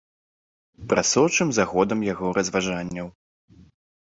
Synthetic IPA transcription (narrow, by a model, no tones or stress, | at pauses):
pɾʔasɔwt͡ʂɨmzaɣɔd̪ɐmjaɣɔɾʔɐzvaʐanʲːɐw